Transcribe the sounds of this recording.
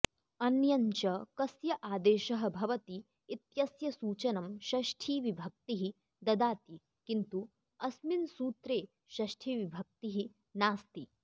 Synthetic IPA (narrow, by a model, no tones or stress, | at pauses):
ɐnjɐɲt͡ʃɐkɐsjɐʔaːd̪eːʃɐɦɐ̆bʱɐʋɐt̪iː | t̪jɐsjɐsuːt͡ʃɐnɐmʃɐʃʈʰiːʋibʱɐk̚t̪iɦi | d̪ɐd̪aːt̪i | kint̪u | ɐsminsuːt̪ɾeː | ʃɐʃʈʰiːʋibʱɐk̚t̪iɦi | naːst̪i